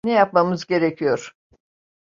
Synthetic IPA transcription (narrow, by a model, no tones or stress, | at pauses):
nɛjap̚mamɯzɟe̞ɾecʰijoɾ̥